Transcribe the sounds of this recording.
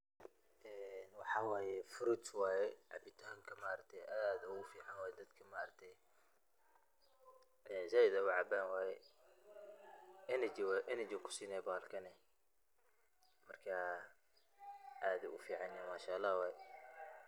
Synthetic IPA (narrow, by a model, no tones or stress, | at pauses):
ʔɛːnwɑħɑːwaːjɛfɾut̪waːjɛʕɑ̰bɪt̪ʰaːŋkʰɐmɐaʔɾɐk̚t̪ʰɛjʔaːðɐʊfiːʕɑnwaːjɛd̪ɐd̪kʰɐmaʔɐɾɐk̚t̪ʰɛj | ʔɛːsɐjd̪ɐwɑʕɑbanwaːjɛ | ʔɛnɐt͡ʃɪwʔɛnɛt͡ʃɪkʰʊ̥siːnɛjbaːlkʰɐnɛ | mɐrkʰa | ʔaːðɛʔʊfiːʕɑnjamaːʃalːaːhwaːjɛ